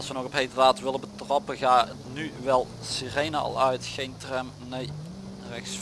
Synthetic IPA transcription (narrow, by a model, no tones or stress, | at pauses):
ɑlˠsʋənɔɣɔpɦejdəraːtʋɪləbətrɔpəɣaːətnyʋɛlˠ | sirejnəɑ̰lˠœɥtxejntrɛm | nej | rɛxs